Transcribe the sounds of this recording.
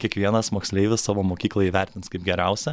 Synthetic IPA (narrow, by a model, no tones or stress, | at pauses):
kʲiɛkʋʲiɛnɐsmoːksʲlʲɛɪʋʲɪssɑːʋoːmoːkʲiːklˠɐiːʋʲæɾʲt̪ʲɪnskɐɪpɡʲɛɾʲɛˑʊsʲɛ